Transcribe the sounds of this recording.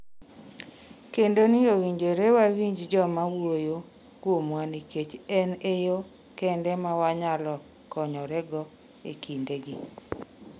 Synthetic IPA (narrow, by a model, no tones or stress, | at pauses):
kendonɪowiɲd͡ʒoɾewawiɲd͡ʒd͡ʒɔmawojo | kwomwaniket͡ʃɛnejo | kɛndɛmawaɲalɔ | kɔɲɔɾɛɡɔ | ḛkʰindeɡi